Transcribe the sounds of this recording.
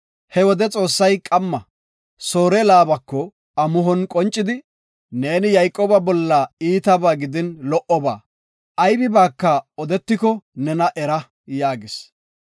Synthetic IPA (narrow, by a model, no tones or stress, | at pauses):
hɛwɔd̪ɛt͡sʼo̞ːsːɐjkʼɐmːɐ | so̞ːɾɛlaːbɐkːɔ | ɐmʊɦɔnkʼɔnt͡ʃʼːɪd̪ɪ | neːnɪjɐjkʼoːbɐbɔlːɐiːt̪ɐbaːɡɪd̪ɪnlɔʔɔba̰ː | ɐjbɪbaːkːɐɔd̪ɛt̪ːɪkɔnɛnɐʔɛɾɐ | jaːɡɪs